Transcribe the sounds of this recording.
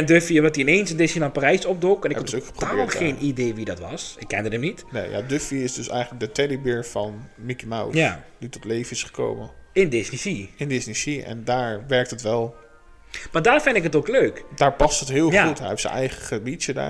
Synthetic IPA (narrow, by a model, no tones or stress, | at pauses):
ɛndøfiəʋɔtiɪneːnsɪndɪsninaparɛjsɔp̚dʊkɛnɪokχə̥proɔbɪɹχeːnideːʋidɔtʋɑsɪkːɛndədəmnitnḛjja̰døfiɪsdøsɛ̰jχətlək̚dətɛdibɪɹfɑnmikimawtaditɔtlejvənɪsχə̥ko̰wməɪndɪsnisiɪndɪsnisiɛ̰ndaːɹʋɛɹk̚tətʋɛlˠ | madaːrfɪndɪkətokløːkdaːɹpɑstətɦɪːlˠχautɛ̰ɛfsə̰nɛ̰jχəχəbit͡ʃəda̰ː